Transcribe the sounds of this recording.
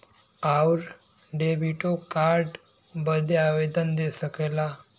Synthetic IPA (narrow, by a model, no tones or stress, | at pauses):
awɾ | ɖebiʈokaɾɖ | bəd̪ʱeaʋed̪ənd̪esəkela